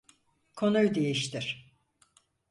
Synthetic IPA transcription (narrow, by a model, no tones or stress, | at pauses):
kʰo̞nujd̪ejiʃt̪ʰiɾ̥